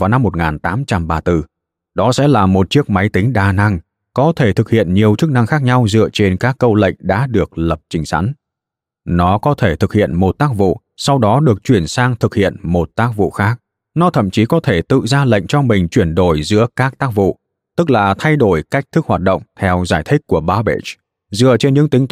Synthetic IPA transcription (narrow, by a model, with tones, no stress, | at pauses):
vaː˨˩wna˧mːo˨˩t̚ŋaː˨˩nt̪aː˨˦mt͡ɕa˧mɓaː˧t̪ɨ˧˩ | ɗɔ˨˦sɛ̰˧˥laː˨˩mo˨˩t̚t͡ɕi˦˥ək̚ma˨˦jt̪ï˨˦ŋ̟ɗaː˨˩na˧ŋ | kɔ˨˦t̪ʰe˧˩t̪ʰɨ˨˩k̚hḭ˧˨ənɲi˨˩əwt͡ɕɨ˦˥k̚na˧ŋxaː˦˥k̚ɲa˧wzɨ̰˧˨ət͡ɕe˧nkaː˦˥kːə˧wlə̰˧˨jŋ̟ɗa̰ː˧˥ɗɨ˨˩ək̚lə˨˩p̚t͡ɕï˨˦ŋ̟sa̰˨˧˥n | nɔ˨˦kɔ˨˦t̪ʰe˧˩t̪ʰɨ˨˩k̚hḭ˧˨ənmo˨˩t̚t̪aː˦˥k̚vṵ˧˨ | sa˧wɗɔ˨˦ɗɨ˨˩ək̚t͡ɕwi˧˩ənsaː˧ŋt̪ʰɨ˨˩k̚hḭ˧˨ənmo˨˩t̚t̪aː˦˥k̚vṵ˧˨xaː˦˥k̚ | nɔ˨˦t̪ʰə̰˧˨mt͡ɕi˨˦kɔ˨˦t̪ʰe˧˩t̪ɨ̰˧˨zaː˧lə̰˧˨jŋ̟t͡ɕɔ˧mï˨˩ŋ̟t͡ɕwi˧˩ənɗo˧˩jzɨ̰˧˥əkaː˦˥k̚t̪aː˦˥k̚vṵ˧˨ | t̪ɨ˦˥k̚laː˨˩t̪ʰa˧jɗo˧˩jka˦˥jk̟̚t̪ʰɨ˦˥k̚hwaː˨˩t̚ɗə̰˧˨wŋ͡mt̪ʰɛ˧wzaː˧˩jt̪ʰï˦˥k̟̚ʲkːu˧˩əɓaː˨˦ɓḛ˧˥t͡ɕ | zɨ̰˧ət͡ɕe˧nɲɨ̰˧˥ŋt̪ï˨˦ŋ̟